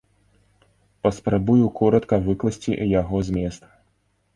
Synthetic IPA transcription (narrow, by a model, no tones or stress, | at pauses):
pɐspɾɐbujukʰɔɾɐt̪kɐvɨklˠɐsʲt͡sʲijaɣɔzʲmʲɛst̪